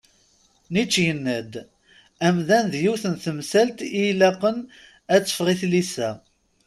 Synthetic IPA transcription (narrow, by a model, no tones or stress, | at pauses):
nit͡ʃːjənːæd̪ | æmðænðjuθənθəmsælt̪ilæqːən | æt͡sːə̥fʁiθlisæ